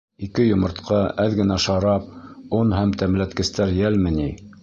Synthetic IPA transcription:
ikɘjŏmɤ̆ɾt̪qʰɑæðɡɘ̆næʃɑɾɑp̚onhæmt̪æmlæt̪kɘ̆st̪æɾjælmɘ̆ni

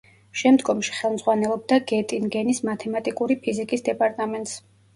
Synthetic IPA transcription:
ʃɛmd̪ɡɔmʃi̥χɛlˠmz̥ʁwanɛlˠɔb̚d̪aɡɛt̪ʼinɡɛnismat̪ʰɛmat̪ʼikʼuɾipʰizikʼisd̪ɛpʼaɾt̪ʼamɛnt̪ʼs

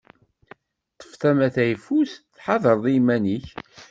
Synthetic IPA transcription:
t̪ˤːə̥fθæmæθæjfusθħɑðˤəɾˤðˤimæniç

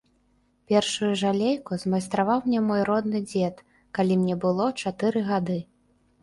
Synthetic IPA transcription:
pʲɛrʂujuʐalʲejkuzmɐjst̪ɾavawmnʲɛmɔjɾɔd̪nɨd͡zʲɛt̪ | kalʲimnʲɛbɨlˠɔt͡ʂat̪ɨɾɨɣad̪ɨ

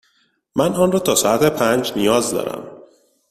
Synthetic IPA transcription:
mænɒːnrɒːt̪ʰɒːsɒːæt̪ʰepʰænd͡ʒnijɒːzd̪ɒ̰ːɾæ̰m

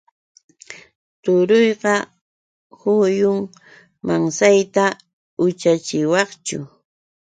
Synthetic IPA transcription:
t̪ʊɾojɢɑ | hʊjʊŋ | maŋsajt̪a | ʊt͡ʃat͡ʃɪwɑχt͡ʃʊ̰

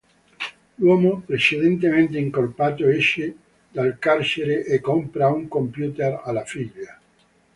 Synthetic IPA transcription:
lwomopɾeseðent̪emẽnt̪eiŋkoɾpat̪oeʃe | d̪alkaɾseɾeʔekompɾauŋkõ̞mpjut̪eɾalafiʎa

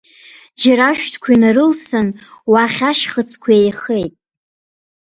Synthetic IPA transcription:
d͡ʒaɾaʃᶣtʰkʷʰainaɾɨlsɨnwaχʲaʃχət͡sʰkʷʰaejχejtʼ

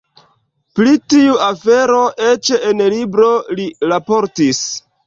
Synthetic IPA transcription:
plitiuafe̞ɾo̞ʔe̞t͡ʃeenlibɾoliɾapo̞ɾtis

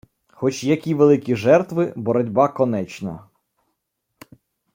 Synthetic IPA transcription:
xɔt͡ʃjɐkʲiʋelˠɪkʲiʒɛrt̪ʋɪbɔɾɔdʲbɑkɔnɛt͡ʃnɐ̰

